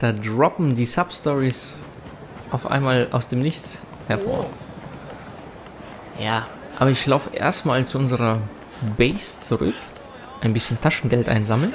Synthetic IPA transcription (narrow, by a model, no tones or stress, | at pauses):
d̥aːdʁɔpm̩diːsapstɔʁis | ʔaʊfʔa̰ɪnmaːlʔa̰ʊsd̥eːmnɪçt͡s | hɛɐfo̰ːɐ | jaː | ʔa̰ːbɐɪçlaʊfəʔḛːɐstmaːlt͡suʔʊnzəʁɐ | bɛɪst͡suʁʏ̰k | ʔaɪnbɪsçəntʰaʃn̩ɡɛltʔa̰ɪnzaml̩n